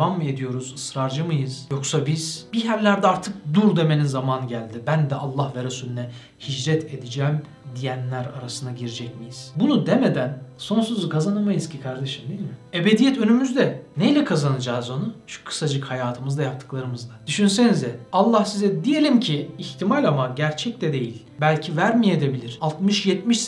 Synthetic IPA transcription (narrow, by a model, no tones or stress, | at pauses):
ame̞d̪ijo̞ɾuzɯsɾaɾd͡ʒɯmɯjɯz̥joksabiz̥biɦæɾlʲæɾd̪ɛaɾt̪ʰɯk̚d̪uɾd̪e̞menizamanɟælʲd̪ibænd̪ɛʔalˠːahvɛɾesuːlʲynɛ | hid͡ʒɾɛt̪ʰe̞d̪id͡ʒɛːm | d̪ijænlʲæɾaɾasɯnaɟiɾid͡ʒɛcmijiz̥bunud̪emed̪ænso̞nsuzkazanamajɯzcʰikʰaɾd̪eʃɯmd̪ijilʲmɪe̞be̞d̪ijɛt̪ʰø̞nymyzd̪ɛnejlʲɛkʰazanɯd͡ʒaːzonuʃu̥kʰɯ̥sad͡ʒɯkhajaːt̪ʰɯmɯzd̪ajap̚t̪ʰɯ̥klˠaɾɯmɯzd̪ad̪̥yʃyns̬e̞nizd̪ɛalˠːahsizɛd̪ije̞lʲimcʰiːçt̪ʰimalʲamaɟæɾt͡ʃʰɛc̚t̪ʰɛd̪e̞jilʲbælʲcʰivæɾmijed̪ebilʲiɾ̥alˠt̪mɯʃjɛt̪miʃ